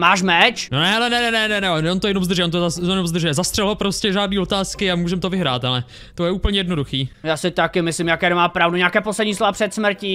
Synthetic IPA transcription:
maːʃmɛt͡ʃnonɛalɛnɛnɛnɛnɛnɛonont̪ojɛnomzd̪rʒɛont̪oajɛnomzd̪r̩ʒɛɛzast̪r̥ɛlɦopɾo̞scɛʒaːdniːo̞t̪aːskɪamuːʒɛmt̪ovɪɦɾa̰ːt̪alɛ | t̪ojɛuːpl̩ɲɛjɛdno̞duxiːjaːsɪt̪akɪmɪslɪmjakɛːdɛmaːpɾavduɲɛaːkɛːposlɛdɲiːslovapr̥ɛt̪smr̩ci

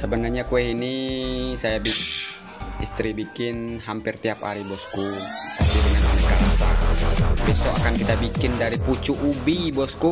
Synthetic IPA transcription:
səbənarɲakuɛɦinisajabi | ist̪ɾibikɪnɦampɪrt̪iapa̰ɾibɔskukasiɾinananəkaɾasa̰ | bɛsɔʔakankit̪abikɪndaɾiput͡ʃuʔubibɔsku

